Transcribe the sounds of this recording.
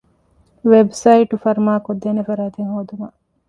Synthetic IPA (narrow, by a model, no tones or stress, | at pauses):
ʋebsɐiʈufɐɾmaːkod̪ːenefɐɾaːt̪eŋɦoːd̪umɐ